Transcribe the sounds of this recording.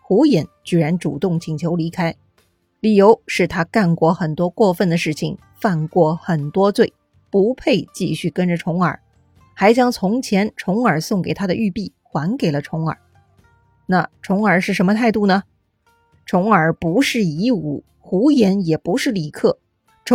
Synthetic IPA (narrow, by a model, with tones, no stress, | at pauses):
xu˧˥jɛ˧˥nt͡ɕy˥˩ɻa˧˥nʈ͡ʂṵ˨˩t̪ʊ˥˩ŋt͡ɕʰi˨˩ŋt͡ɕʰjo˧˥ʊli˧˥kʰa˥ɪ | li˨˩jo˧˥ʊʂɻ̩˥˩t̪ʰa˥ka˥˩nkwɔ˥˩xə˨˩nt̪wɔ˥kwɔ˥˧fə˥˩nd̪ə˩ʂɻ̩˥˩t͡ɕʰḭ˨˩ŋ | fa˥˧nkwɔ˥˩xə˨˩nt̪wɔ˥t͡swe˥˩ɪ | pu˧˥pʰe˥˧ɪt͡ɕi˥˧ɕy˥˩kə˥nʈ͡ʂə˨˩ʈ͡ʂʰʊ˧˥ŋə̰˞˨˩˦ | xa˧˥ɪt͡ɕjɑ˥ŋt͡sʰʊ˧˥ŋt͡ɕʰjɛ˧˥nʈ͡ʂʰʊ˧˥ŋə˞˨˩sʊ˥˩ŋke˨˩ɪt̪ʰa˥d̪ə˧ʔy˥˧pi˥˩ | xwa˧˥nke˨˩ɪlə˦ʈ͡ʂʰʊ˧˥ŋə̰˞˨˩˦ | na˥˩ʈ͡ʂʰʊ˧˥ŋə˞˨˩ʂɻ̩˥˩ʂə˧˥nmə˧t̪ʰa˥˧ɪt̪u˥˩nə˩ | ʈ͡ʂʰʊ˧˥ŋə˞˨˩pu˧˥ʂɻ̩˥˩i˧˥ṵ˨˩ | xu˧˥jɛ˧˥njɛ˨˩pu˧˥ʂɻ̩˥˩li˨˩kʰɤ˥˩ | ʈ͡ʂʰ